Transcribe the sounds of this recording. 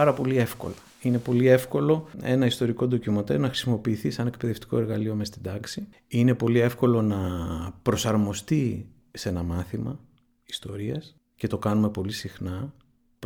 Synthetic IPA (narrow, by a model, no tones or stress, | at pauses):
ɐɾɐpo̞lie̞fko̞̰lɐ | ine̞po̞lie̞fko̞lo̞e̞̰nɐist̪o̞ɾiko̞ðo̞cimot̪enɐxɾi̥simo̞piːθisɐne̞k̚pe̞ðe̞ft̪i̥ko̞eɾɣɐlio̞mest̪id̪ɐksi | ine̞po̞lie̞fko̞lo̞nɐpɾo̞sɐɾmo̞st̪i | se̞nɐmɐθimɐ | ist̪o̞ɾiɐs | ce̞t̪o̞kɐnume̞po̞lisixnɐ